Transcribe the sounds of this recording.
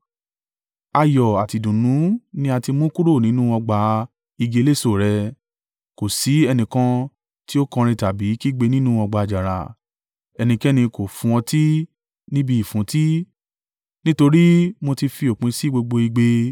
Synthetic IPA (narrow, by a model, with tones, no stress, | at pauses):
a˧jɔ˨a˨ti˨dũ˨nũ˨˦nĩ˧˦a˧ti˧mũ˦ku˦ɾo˦˨nĩ˨˦nũ˦ɔ˧ɡ͡ba˧˦ | i˧ɡe˧le˦˨so˦˨ɾɛ˧ | ko˨si˨˦ɛ˧nĩ˨kã˧ | ti˦o˦kɔ̃˧ɾ̃ĩ˧ta˨bi˨˦ki˦ɡ͡be˧nĩ˦nũ˦ɔ˧ɡ͡ba˧˨d͡ʒa˨ɾa̰˨ | ɛ˧nĩ˧kɛ˦nĩ˧ko˨fũ˧ɔ̃˧ti˦ | nĩ˦bi˧i˨fũ˨˦ti˦ | nĩ˦to˧ɾi˦mo˧ti˧fi˧o˨k͡pĩ˧si˦ɡ͡bo˧ɡ͡bo˧i˧ɡ͡be˧